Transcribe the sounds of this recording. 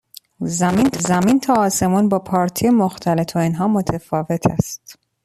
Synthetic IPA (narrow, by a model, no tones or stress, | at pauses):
zæmiːnzæmint̪ʰɒːse̞muːnbɒːpʰɒːɾt̪ʰiemoxt̪ʰælet̪oinɦɒːmot̪ʰefɒːve̞t̪ʰæ̰st̪